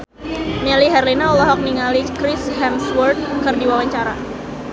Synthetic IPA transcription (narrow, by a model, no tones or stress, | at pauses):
maliɦɛrlinaɔlɔɦɔk̚niŋalikɾɪshɛmswɔrt̪̚kɨrdiwawaɲt͡ʃaɾa